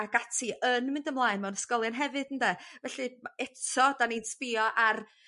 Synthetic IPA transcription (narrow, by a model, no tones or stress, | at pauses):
aɡatʰɨənmɪndəmlˠaːɨnmɛwnəskɔlˠjanɦɛvɨd̥əndɛvɛɬɨmaɛtʰɔdaninspɪjɔʔar